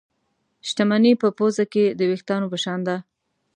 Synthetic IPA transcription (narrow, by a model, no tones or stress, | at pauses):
ʃt̪amanipəpozaked̪əwext̪ɑnopəʃɑnd̪a